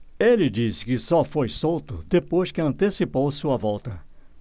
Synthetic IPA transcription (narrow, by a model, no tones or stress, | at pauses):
elɪd͡ʒisɪ̥kɪsɔfojsowt̪ʊ̰d̪epojskɪɐ̃nt̪esipowsuɐvɔwˠt̪ɐ